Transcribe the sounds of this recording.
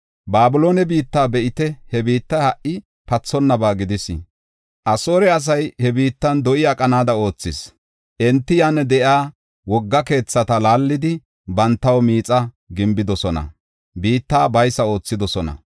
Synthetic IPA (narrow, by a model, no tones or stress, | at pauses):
baːbʊlo̞ːnɛbiːt̪ːaːbɛʔɪt̪ɛhɛbiːt̪ːɐhɐʔʔɪ | pɐt͡sːɔnːɐbaːɡɪd̪ɪsɪ | ʔɐso̞ːɾɛɐs̬ɐjhɛbiːt̪ːɐnd̪ɔʔɪɐkʼɐnaːd̪ɐo̞ːt͡sːɪs | ʔɛnt̪ːɪjanːɛd̪ɛʔjaː | wɔɡːɐke̞ːt͡sːɐt̪ɐlaːlːɪd̪ɪ | bɐnt̪ːɐwmiːt͡sʼɐ | ɡɪmbɪd̪ɔsɔnɐ̰ | biːt̪ːaːbɐjsɐo̞ːt͡sːɪd̪ɔsɔnɐ̰